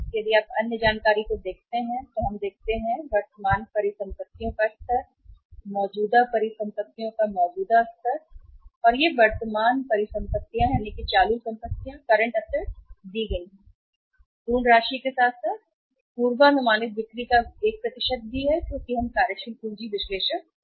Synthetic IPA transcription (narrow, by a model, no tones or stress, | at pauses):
jɐd̪iaːpɐnjəd͡ʒaːnkaːɾikod̪eːkʰt̪eɦɛ̃t̪oɦɐmd̪eːk̚ʰt̪eɦɛ̃ʋɐɾt̪əmaːnpɐɾɪsɐ̃mpət̪ːijõkast̪əɾ | mɔːd͡ʒuːd̪apɐɾɪsɐ̃mpət̪ːijõkamɔːd͡ʒuːd̪ast̪əɾɔːɾjeʋɐɾt̪əmaːnpɐɾɪsɐ̃mpət̪ːijãjaːnekit͡ʃaːlusɐ̃mpət̪ːijãkɐɾə̃ɳʈɐst̪əɾd̪iɡɐ̃ɪ̃ŋɡɛ̃ | t̪uːɳɾaːʃikesaːt̪ʰsaːt̪̚ | puːɾʋanʊmaːnɪt̪ʋɪkɾikaeːk̚pɾɐt̪ɪʃəd̪̚bʱiɦɛkjoːkiɦɐmkaːɾjəʃənkũːd͡ʒiʋɪʃleːʃək̚